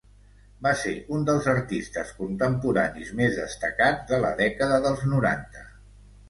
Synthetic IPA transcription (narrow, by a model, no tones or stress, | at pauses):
basḛund̪əlˠzəɾt̪ist̪əskunt̪əmpuɾa̰nizmezðəst̪əkad̪ələ̰ðɛkəðəðəlˠznuɾa̰nt̪ə